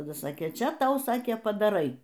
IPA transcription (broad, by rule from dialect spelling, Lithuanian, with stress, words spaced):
tɐˈdɐ ˈsɑːkʲeː ˈt͡ʃʲɛ ˈtɐʊ ˈsɑːkʲeː pɐdɐˈrɐɪ